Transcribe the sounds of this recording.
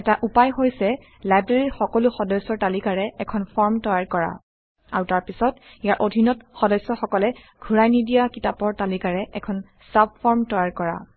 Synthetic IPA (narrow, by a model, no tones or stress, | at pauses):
ɛtaʔupajɦojsɛ | lajbɹeɹiɹxɔkɔluxɔdɔjsɔɹtalikaɹɛɛkʰɔnpʰɔɹmtɔjaɹkɔɹa̰ | aɹutaɹpisɔt | ijaɹʔodʱinɔtxɔdɔjsɔxɔkɔlɛ | ɡʱuɹajnidijakitapɔɹtalikaɹɛʔɛkʰɔn | sap̚fɔɹmtɔjaɹkɔɹa̰